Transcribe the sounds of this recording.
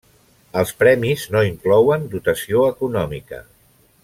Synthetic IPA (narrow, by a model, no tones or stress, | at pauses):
əlˠspɾɛmiznoiŋklɔwənd̪ut̪əsioəkunɔmḭkə̰